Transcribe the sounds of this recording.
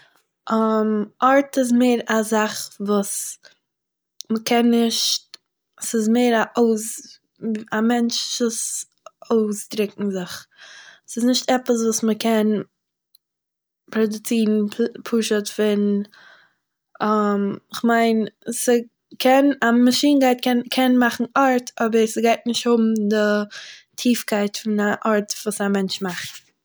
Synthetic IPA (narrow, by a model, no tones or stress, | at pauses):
ʔamɔɾtɪs̬meɪɾazaχvuːs | məkʰɛnːɪʃt | sɪzmeɪɾaʔoʊs | amɛnt͡ʃʃʊs | oʊsdɾɪkŋ̩zɪχ | sɪsnɪʃtɛpəs̬vuːsməkʰɛn | pɾɔdʊt͡siːn̩pʰuːʃətfɪn | amɪχmaɪnsə | kʰɛnamaʃiːnɡaɪtkʰɛnkʰɛnmaχn̩aɾtʰɔbəɾsəɡaɪt̚nɪʃthʊbm̩dɪtʰiːfkaɪtfɪnaʔɔɾtvuːsamɛnt͡ʃmaχt